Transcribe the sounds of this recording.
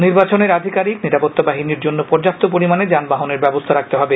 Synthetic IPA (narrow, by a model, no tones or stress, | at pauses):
niɾbat͡ɕoneɾad̪ʱikaɾikniɾapɔt̪ːabaɦiniɾd͡ʑonːopɔɾd͡ʑap̚t̪ʰːop̬oɾimaned͡ʑanbaɦoneɾbɛbost̪ʰaɾak̚t̪eɦɔbe